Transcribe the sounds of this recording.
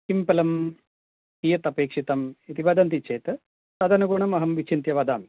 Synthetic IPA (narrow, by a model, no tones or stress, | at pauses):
kimpɐlɐm | iːjɐt̪ɐpeːkʂit̪ɐmit̪iʋɐːd̪ɐnt̪̬it͡ʃeːt̪ɐ | sɐd̪ɐnuɡuːɳɐmɐɦɐmʋit͡ʃʰint̪jɐʋaːd̪aːmi